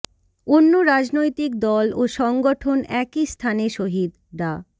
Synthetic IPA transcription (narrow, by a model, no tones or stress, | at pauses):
onːoɾad͡ʑnojt̪ik̚d̪ɔloʃɔŋɡoʈʰonɛkist̪ʰaneʃoɦid̪ | ɖa